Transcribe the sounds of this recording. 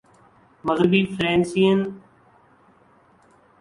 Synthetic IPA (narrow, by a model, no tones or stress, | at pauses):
məɣɾɪbiːfɾẽːnsiːən